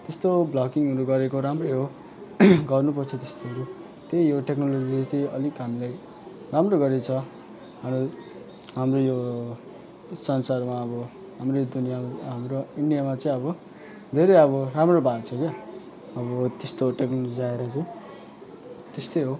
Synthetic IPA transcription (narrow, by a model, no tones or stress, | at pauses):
t̪est̪oblʌkiŋʌɾuɡʌɾekoɾamrʌjɦo | ɡʌrnupʌrt͡sʰʌt̪est̪oɦʌɾu | t̪ejjoʈeknolod͡zid͡zʌt̪iʌlikɦamilaj | ramroɡʌɾet͡sʰʌ | ɦamo | ɦamrojo | sʌnsarmaʌbʌ | ɦamrod̪unijaɦamroiɳɖijamat͡sʌĩʌβʌ | d̪ʱeɾejʌβʌramrobadt͡sʰʌke | ʌβʌt̪est̪oʈeknolod͡ziaeɾʌt͡sʌj̃ | t̪est̪ojɦo